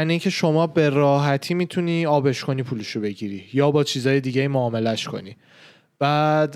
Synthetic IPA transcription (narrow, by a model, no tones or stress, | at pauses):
æniiŋcʰe̞ʃo̞mɒːbe̞ɾɒːɦæt̪ʰiːmiːt̪ʰuniːɒːbe̞ʃkʰo̞niːpʰuːleʃobe̞ɟiɾiːjɒːbɒːt͡ʃʰiːzɒːje̞d̪iːɟejiːmoɒːme̞læʃkʰo̞̰niː | b̥æd̪